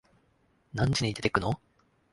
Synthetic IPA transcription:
nãɲt͡ɕiɲʲid̪e̞t̪e̞̥kɯ̟no

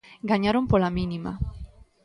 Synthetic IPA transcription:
ɡaɲaɾompolaminima̰

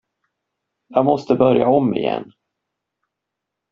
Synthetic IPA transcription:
jɑːɡmɔst̪əbœɾjaɔmːɪjɛ̰nː

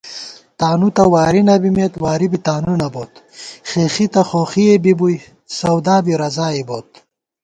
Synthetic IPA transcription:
t̪aːnut̪ɐwaːɾinɐbimet̪waːɾibit̪aːnunɐboːt̪ | χeːxit̪ɐχoːχiebibuj | sɐwd̪aːbiɾɐzaːiboːt̪

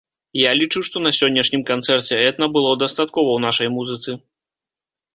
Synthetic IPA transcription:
jalʲit͡ʂɨwʂt̪ɔnɐsʲɔnʲːɐʂnʲimkant̪sɛrt͡sʲɛɛt̪nɐbɨlˠɔd̪ɐst̪at̪kɔvɐwnaʂɐjmuzɨt̪sɨ

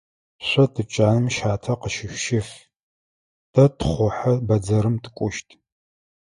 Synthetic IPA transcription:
ɕʷɐtʰɨt͡ʃʼaːnɨmʃaːtʰɐqəʃɪɕʷʃɪf | d̥ɐtʰχʷʊħɐbɐd͡zɐɾɨmtʰɨkʷʼʊʃtʰʼ

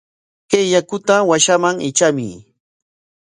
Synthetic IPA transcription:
kejakʊt̪awaʃamaŋɪ̰t͡ʃamɪ̰

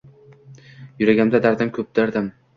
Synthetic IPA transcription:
jʊɾaɡʲamd̪ad̪aɾd̪amkʰɵp̚d̪aɾd̪am

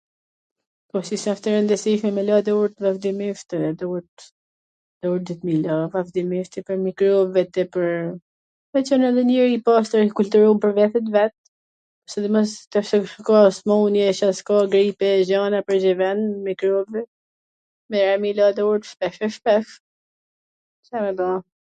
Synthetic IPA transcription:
pɔsisaft̪ɛɾənd̪əsiʃmɛmɛlad̪ɛuɾt̪vafd̪imift̪iɛd̪ɔɾt̪ | d̪̥ɔuɾd̪it̪milavafd̪imift̪ɛpəɾmikɾɔbvɛt̪ɛpəɾ | vɛt͡ʃɔnɛðɛniɾipast̪əɾikult̪uɾɔmpəɾvɛt̪ɛt̪vɛt̪̚ | ɔsɛd̪ɛmɔst̪aʃɔkɔsmɔunjɛʃaskɔɡɾipɛʒanapəɾd͡ʑɛvɛnmikɾɔbvɛ | mɛɾamilad̪ɛuɾt̪ʃpɛfɛʃpɛf | sɛmɛba

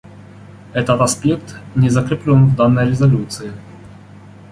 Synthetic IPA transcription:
ɛt̪ət̪ɐspʲe̞k̚t̪nʲɪzəkɾʲɪplʲonvd̪anːəjɾʲɪzɐlʲut̪sɨɪ

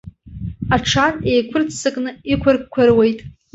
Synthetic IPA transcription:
aʈ͡ʂʰane̞jkʷʰʊrt͡sʰsɨkʼnɨikʷʰarɡkʷʰarwejtʼ

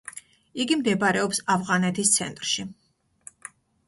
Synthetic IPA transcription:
iɡimd̪ɛbaɾɛɔpsavʁanɛt̪ʰist̪sʰɛ̰nt̪ʼɾʃi

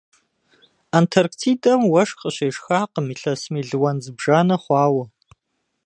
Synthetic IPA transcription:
aːntʰɐrktʰiːdɐmwɐʂxʼəɕeːʂxaːqəmiːɬɐsmiːɮɨwɐnzɨbʒaːnɐχʷɑːwɐ

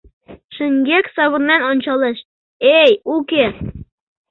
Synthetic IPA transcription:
ʃɘ̆ŋɡʲeksɑβɤ̆nːɑnonʲt͡ɕɑlˠɤʃ | ejukʲe

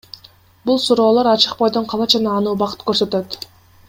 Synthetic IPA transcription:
bulˠsuɾo̞ːlˠo̞ɾɑt͡ʃɯq̚bo̞jd̪oɴqʰɑlˠɑd͡ʒɑnɑːnuːbɑqɯ̥t̪køɾsø̞t̪ø̞t̪

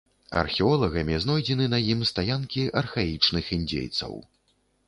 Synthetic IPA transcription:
ɐ̰rxʲɛɔlˠɐɣɐmʲiznɔjd͡zʲɛnɨnɐjimst̪ajankʲiʔɐrxait͡ʂnɨxinʲd͡zʲḛjt̪sɐ̰w

